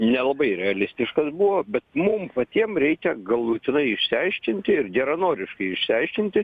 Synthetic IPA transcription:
nʲɛlˠɐbɐɪɾʲɛɐlʲɪsʲt̪ʲɪʃkɐsbuʋoːbʲɛt̪mʊmpɐt̪ʲiɛmɾʲɛɪkʲɛɡɐlˠuːt̪ʲɪnɐɪɪʃʲsʲɪɐɪʃʲkʲɪnʲt̪ʲɪɪɾɡʲɛɾɐnoːɾʲɪʃkɐɪɪʃʲsʲɪɐɪʃʲkʲɪnʲt̪ʲɪ

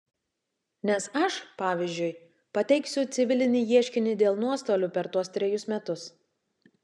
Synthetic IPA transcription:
nʲɛsɐʃpɑːʋʲiːzʲd͡ʒʲʊɪj | pɐt̪ʲɛɪksʲʊt̪sʲɪʋʲɪlʲɪnʲɪːjiɛʃʲkʲɪnʲɪd̪ʲeːlˠnuɔst̪oːlʲuːpʲɛɾt̪uɔst̪ʲɾʲɛjʊsmʲɛt̪ʊs

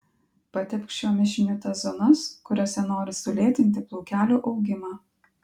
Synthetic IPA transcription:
pɐt̪ʲɪpʲkʃʲt͡ʃʲoːmʲɪʃʲɪnʲuːt̪ɐzonʊskʊɾʲosʲɛnoːɾʲɪsʊlʲeːt̪ʲɪnʲt̪ʲɪplˠuːkʲæːlʲuːʔɒʊɡʲɪmɑː

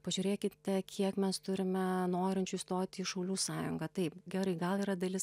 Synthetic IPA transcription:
pɐʒʲʉːɾʲeːkʲɪt̪ʲɛkʲʰiɛkmʲɛst̪ʊɾʲɪmʲɛnoːɾʲɪnʲt͡ʃʲuist̪oːt̪ʲiːʃɐʊlʲuːsɑːjʊŋɡɐt̪ɐɪpɡʲɛɾɐɪɡɐlˠiːɾɐd̪ɐlʲɪs

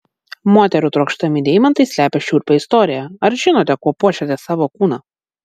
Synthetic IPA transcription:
moːt̪ʲɛɾʲʊt̪ɾoːkʃt̪ɐmʲɪd̪ʲɛɪmɐnt̪ɐɪsʲlʲæːpʲɛʃʲuːɾʲpʲɛɪst̪ɔːɾʲɪjɛɐɾʒʲɪnoːt̪ʲɛkuɔpuːʃʲɛt̪ʲɛsɑːʋoːkuːnɐː

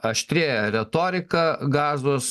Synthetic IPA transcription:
ɐʃʲt̪ʲɾʲeːjɛɾʲɛt̪oːɾʲɪkɐɡɑːzʋoːs

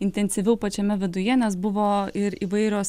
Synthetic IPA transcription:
ɪnʲt̪ʲɛnʲsʲɪʋʲɛʊpɐt͡ʃʲɛmʲɛʋʲɪd̪ʊjɛnʲɛsbʊʋoːɪɾḭʋɐɪɾʲoːs

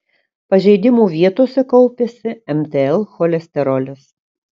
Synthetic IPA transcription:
pɐʒʲɛɪd̪ʲɪmuːʋʲiɛt̪oːsʲɛkɔlˠpʲeːsʲɪɛmʲt̪ʲeɛlˠxɔlʲɛsʲt̪ʲɛɾɔlʲɪs

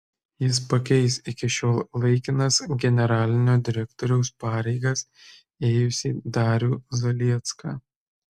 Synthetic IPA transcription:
jɪs̬pɐkʲɛɪsɪkʲɪʃʲoːlˠlˠɐɪkʲɪnɐsɡʲɛnʲɛɾɑːlʲɪnʲoːd̪ʲɪɾʲɛkt̪ɔːɾʲɛʊspɑːɾʲɛɪɡɐs | eːjʊsʲiːd̪ɑːɾʲuːzɐlʲiɛt̪skɑː

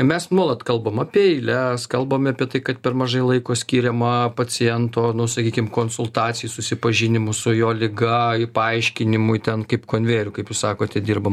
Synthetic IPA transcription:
mʲɛsnuɔlˠɐt̪kɐlˠbɐmɐːpʲiɛɪlʲɛskɐlˠbɐmɐːpʲiɛt̪ɐɪkɐt̪pʲɛrmɐʒɐɪlˠɐɪkoːsʲkʲiːɾʲɛmɐpɐt͡s̪ʲɪjɛnt̪oːnʊsɐkʲiːkʲɪmkoːnsʊlˠt̪ɑːt̪t͡sʲɪjusʊsʲɪpɐʒʲɪnʲɪmʊsʊjoːlʲɪɡɐɪpɐɐɪʃʲkʲɪnʲɪmʊt̪ʲɛnkɐɪpkoːnʲʋʲeːɾʲʊkɐɪpjʊsɑːkoːt̪ʲɛdʲiːrbɐm

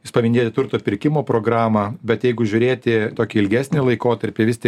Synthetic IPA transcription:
jɪspɐʋʲɪnʲd̪ʲeːt̪ʲɪt̪ʊɾt̪oːpʲɪɾʲkʲɪmoːpɾoːɡɾɑːmɐbʲɛt̪jɛɪɡʊʒʲʊɾʲeːt̪ʲɪt̪oːkʲiɪlʲɡʲæːsʲnʲɪlˠɐɪkoːt̪ɐɾʲpʲɪʋʲɪst̪ʲiɛ

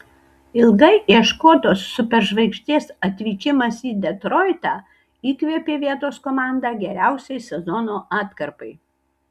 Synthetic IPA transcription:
ɪlˠɡɐɪʔiɛʃkoːt̪oːsːʊpʲɛɾʒʋɐɪkʃʲt̪ʲiɛsɐt̪ʲʋʲiːkʲɪmɐsiːd̪ʲɛt̪ɾoɪt̪ɑː | iːkʋʲiɛpʲeːʋʲiɛt̪oːskoːmɑˑnd̪ɑːɡʲɛɾʲæˑʊsʲɛɪsʲɛzɔnoːʔɑːt̪kɐɾpɐɪ

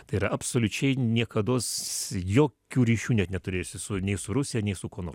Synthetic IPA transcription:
t̪ɐɪiːɾɐʔɐpsoːlʲʊt͡ʃʲɛɪnʲiɛkɐd̪oːsjoːkʲuːɾʲiːʃʲuːnʲɛt̪nʲɛt̪ʊɾʲeːjoːsʲɪsʊnʲɛɪsʊɾʊsʲɪjɛnʲɛɪsʊkoːnoːr

